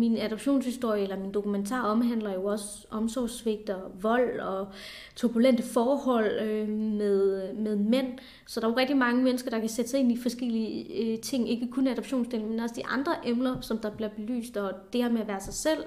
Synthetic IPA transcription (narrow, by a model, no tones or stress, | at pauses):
minæd̥ɒb̥ɕo̝̰ːnshisd̥o̝ɐ̰jəelɐmind̥o̝kument͡sʰɑ̰̈ːɒ̽mɦæn̰lɐjo̝ɒ̽sə | ʔɒ̽msɒʊsʋe̝ɡ̥̚d̥ɐʋɒ̽l̰ɒ̽ | t͡sʰoɐb̥ulen̰d̥əfɒːhɒ̽l̰ømeðˠmeð̞ˠmen̰ | sɒd̥ɑ̈ʋɑʁɛɡ̥̚d̥imɑ̈ŋəmenəsɡ̥ɐd̥ɑ̈kʰæsed̥əsɑ̈e̝nifɒ̽sɡ̥el̰iət͡sʰe̝ŋ̰e̝ɡ̥əkʰɔnæd̥ɾɒb̥ɕo̝̰ːnsd̥e̝̰ln̩menɒ̽səd̥iʔɑ̈nd̥ʁɐʔemlɐsɒ̽md̥ɑ̈b̥leɐb̥e̝ly̰ːsd̥ɒ̽d̥e̝hɐmeæʋæːɐsɑ̈ɪsel̰